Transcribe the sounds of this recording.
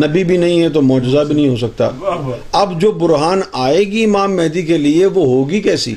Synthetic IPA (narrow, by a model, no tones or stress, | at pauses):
nɐbibʱinɐɦĩɦɛt̪omɔːd͡ʒɪzabʱinɐɦĩɦosɐk̚t̪a̰ːɐbd͡ʒoːbʊɾɦaːnaːeːɡiɪmaːmːɛɦd̪ikelieʋoɦoːɡikɛːsḭː